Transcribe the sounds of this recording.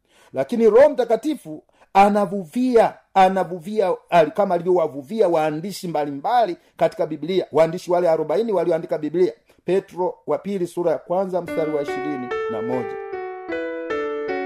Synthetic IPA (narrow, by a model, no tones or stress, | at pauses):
lakiniɾɔm̩takatifu | anavuvia | anavuviaalikamaːlivjɔwavuviawaːndiʃimbalimbali | kati̥kabibiliawaːndiʃiwalɛaɾɔbainiwaliɔandikabiblia | pɛtɾɔwapilisuɾajakwanzam̩staɾiwaiʃiɾinina̰mɔɟa